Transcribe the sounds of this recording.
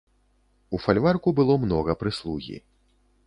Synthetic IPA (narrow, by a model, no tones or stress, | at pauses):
ufalʲvarkubɨlˠɔmnɔɣɐpɾɨslˠuɣʲḭ